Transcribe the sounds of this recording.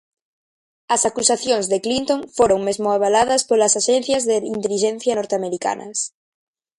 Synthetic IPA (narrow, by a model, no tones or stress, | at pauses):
ɐsakusaθjoŋzðeklint̪õŋfoɾoŋmezmoaβalaðɐspolasaʃenθjazðeint̪eliʃẽn̟θjanoɾt̪eameɾika̰nɐ̰s